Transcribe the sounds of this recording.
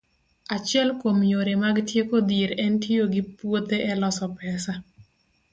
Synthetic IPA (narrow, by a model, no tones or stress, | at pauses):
at͡ʃɪɛlkomjoɾemaɡtjekod̪iɾɛntijoɡɪpwot̪eʔɛlɔsɔpɛsa